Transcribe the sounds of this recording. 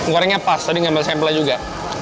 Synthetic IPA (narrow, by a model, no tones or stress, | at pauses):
ŋɡoɾaŋɲapasadiəŋanmasɛmplad͡ʒuɡa